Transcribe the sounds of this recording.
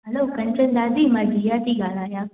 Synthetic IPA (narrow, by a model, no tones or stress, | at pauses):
ɦɐloːkɐ̃nt͡ʃə̃nd̪aːziːmãːd͡ʒijaːt̪iɡaːlaːjaː